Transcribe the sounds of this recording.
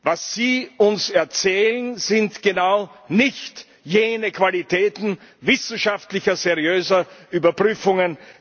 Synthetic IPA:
vasz̥iːʊnsɛɐt͡sɛːlənz̥ɪntɡ̥ənaʊnɪçt | jeːnəkv̥alitʰɛːtn̩ | vɪsn̩ʃaftlɪçɐzɛʁiøːzɐʔyːbɐpʁ̥yːfʊŋən

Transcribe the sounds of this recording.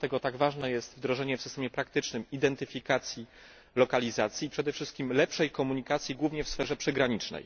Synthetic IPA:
t̪ɛɡɔt̪aɡvaʐnɛjɛst̪vd̪ɾɔʐɛɲɛfsɘst̪ɛmjɛpɾakt̪ɘt͡ʂnɘmid̪ɛnt̪ɘfʲikat̪sʲji | lɔkalʲizat̪sʲjipʂɛd̪ɛfʂɘst̪̚kʲimlɛpʂɛjkɔmuɲikat̪sʲjiɡwuvɲɛfsfɛʐɛpʂɛɡɾaɲit͡ʂnɛ̰j

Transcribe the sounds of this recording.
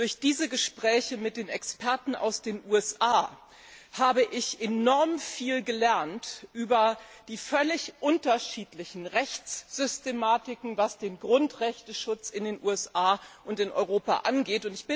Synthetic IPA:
d̥ʊɐçd̥iːzəɡəʃpʁ̥ɛːçəmɪt̚d̥eːnɛkspɛɐtn̩a̰ʊsd̥eːnʔuːɛsʔaː | haːbəʔɪçenɔɐmfiːlɡəlɛɐntʔyːbɐd̥iːfœlɪçʔʊntɐʃiːtlɪçn̩ʁɛçt͡sz̥ʏstemaːtɪkŋ̩vasd̥eːnɡʁʊntʁɛçtəʃʊt͡sɪndeːnʔṵːɛsaːʔʊntɪnʔɔ̰ʏʁ̞oːpa̰ʔanɡeːtʊntɪçb̥ɪ

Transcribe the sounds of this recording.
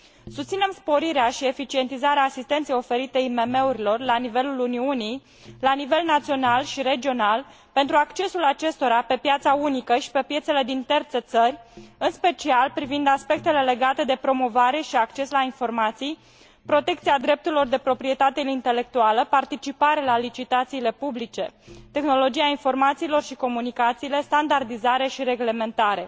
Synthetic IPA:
sust̪sine̞mspo̞ɾiɾeaʃie̞fit͡ʃie̞nt̪izaɾeaːsist̪ent̪sejo̞fe̞ɾit̪eime̞me̞uɾilo̞rlanive̞luluniunij | lanive̞lnat̪sio̞nalʃiɾe̞d͡ʒio̞nal | pent̪ɾuakt͡ʃe̞sulat͡ʃe̞st̪o̞ɾape̞pjat̪saunikəʃi̥pe̞pje̞t̪se̞le̞d̪int̪ert̪se̞t̪sərʲɨnspe̞t͡ʃialpɾivind̪aspe̞k̚t̪e̞le̞le̞ɡat̪e̞d̪e̞pɾo̞mo̞vaɾe̞ʃiakt͡ʃe̞slainfo̞rmat̪sij | pɾo̞t̪e̞k̚t̪siad̪ɾe̞p̚t̪uɾilo̞rd̪e̞pɾo̞pɾie̞t̪at̪e̞int̪e̞le̞k̚t̪ualəpart̪it͡ʃipaɾelalit͡ʃit̪at̪siːle̞publit͡ʃe̞t̪e̞xno̞lo̞d͡ʒijainfo̞rmat̪siːlo̞rʃiko̞munikat̪siːle̞st̪and̪ard̪izaɾe̞ʃiɾe̞ɡle̞me̞nt̪aɾe̞

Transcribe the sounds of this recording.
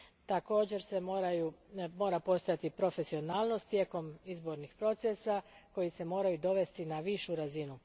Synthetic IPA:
t̪ako̞ːd͡ʑe̞ɾse̞ɾajumo̞ːɾapo̞st̪o̞jat̪ipɾo̞fe̞sio̞naːlˠno̞st̪je̞ːko̞mizbo̞ɾnixpɾo̞t̪sesako̞jise̞mo̞ːɾajud̪o̞ʋe̞st̪inaʋiʃuɾazinu

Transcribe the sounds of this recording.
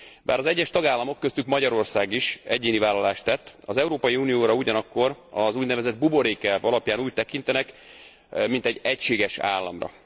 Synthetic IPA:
ba̰ːɾɒzɛɟːɛʃt̪ɒɡaːlːɒmo̞kːøst̪ykmɒɟɒɾo̞rsaːɡiʃɛɟːeːnivaːlːɒlaːʃt̪ːɛt̪ːɒzɛuɾoːpɒjiuːnijoːɾɒuɟɒnɒkːo̞rɒzuːɟnɛvɛzɛd̪̚bubo̞ɾeːkɛvɒlɒpjaːnuːc̚t̪ɛkint̪ɛnɛk | mint̪ɛɟɛcʃeːɡɛʃa̰ːlːɒ̰mrɒ̰

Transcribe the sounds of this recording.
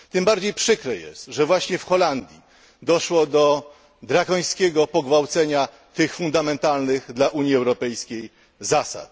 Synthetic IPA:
t̪ɘmbaɾd͡ʑejpʂɘkɾɛjɛ̰st̪ʐɛvwaɕɲɛfxɔland̪ʲji | d̪ɔʂwɔd̪ɔ | d̪ɾaɡɔj̃skʲɛɡɔpɔɡvawt̪sɛɲa | t̪ɘxfund̪amɛnt̪alnɘɣd̪laʔuɲjiɛwɾɔpɛjskʲej | zasa̰t̪

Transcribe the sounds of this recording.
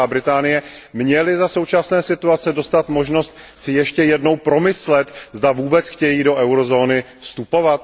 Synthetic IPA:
aːbɾɪt̪aːnɪjɛmɲɛlɪzaso̞wt͡ʃasnɛːsɪt̪uat͡sɛdo̞st̪at̪mo̞ʒno̞st̪ | sɪjɛʃcɛjɛdno̞wpɾo̞mɪslɛt̪zdavuːbɛt͡sxcɛjiːdo̞ʔɛwɾo̞zo̞ːnɪfst̪upo̞vat̪

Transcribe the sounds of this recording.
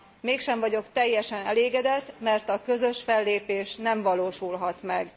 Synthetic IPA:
meːkʃɛɱvɒɟo̞kt̪ɛjːɛʃɛnɛleːɡɛd̪ɛt̪ːmɛrt̪ɒkø̞zø̞ʃfɛlːeːpeːʃnɛɱvɒloːʃulɦɒt̪mɛɡ

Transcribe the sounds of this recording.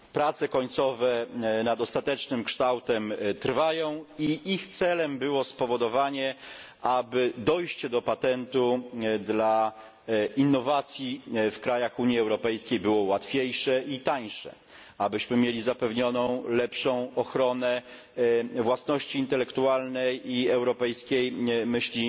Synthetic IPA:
pɾat̪sɛkɔɲt̪sɔvɛnad̪ɔst̪at̪ɛt͡ʂnɘmkʂt̪awt̪ɛmt̪ɾvajɔ̃w̃iʔixt̪sɛlɛmbɘwɔspɔvɔd̪ɔvaɲɛ | ʔabɘd̪ɔjɕt͡ɕɛd̪ɔpat̪ɛnt̪ud̪la | inːɔvat̪sʲjifkɾajaxuɲiɛwɾɔpɛjskʲejbɘwɔwat̪fʲjejʂɛʔit̪aɲʂɛ̰ | abɘɕmɘmʲjelʲizapɛvɲɔnɔ̃w̃lɛpʂɔ̃w̃ɔxɾɔnɛ | vwasnɔɕt͡ɕiːnt̪ɛlɛkt̪ualnɛjiɛwɾɔpɛjskʲejmɘɕlʲi

